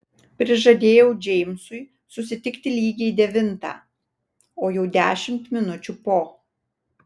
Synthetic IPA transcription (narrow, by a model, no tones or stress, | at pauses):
pʲɾʲɪʒɐd̪ʲeːjɛʊd͡ʒʲɛɪmsʊɪ | sʊsʲɪt̪ʲɪkt̪ʲɪlʲiːɡʲɛid̪ʲɛʋʲɪnt̪ɑ̰ː | oːjɛʊd̪ʲæːʃʲɪmt̪mʲɪnʊt͡ʃʲupoː